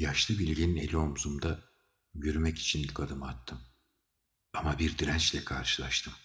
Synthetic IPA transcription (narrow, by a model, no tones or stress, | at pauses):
jaʃlˠɯbilʲɟinine̞̰lʲio̞muzumd̪a | jyɾymɛci̥t͡ʃʰinʲkad̪ɯmat̪ʰːɯm | amabiɾd̪iɾænt͡ʃlʲɛkʰaɾʃɯlˠaʃt̪ʰɯm